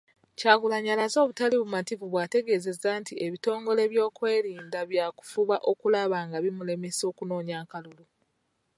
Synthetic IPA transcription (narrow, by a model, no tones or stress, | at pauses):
caːɡulaɲalazo̞ːβutaliβumativuβwaːte̞ɡe̞ze̞zaːntiʔeβito̞ːŋɡo̞le̞βjo̞ːkwe̞ːɾiːndaβjaːku̥fuβaʔo̞kulaβaːŋɡaβimule̞meso̞ːkuno̞ːɲaːkalulu